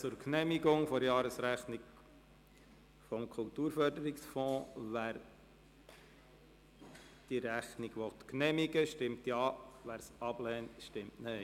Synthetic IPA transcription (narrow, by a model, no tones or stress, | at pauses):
t͡sʊɾknɛmiɡʊŋfɔɾjɑːɾəsɾæχnɪɡ | fɔmkʰʊltuːɾfœɾdəɾiksfɔ̃ːʋæːɾ | d̥iɾæχniɡʋɔt̪knɛmiɡəʃtɪmtjɑːʋæːɾsɑb̥lɛːntʃtɪmtnɛɪ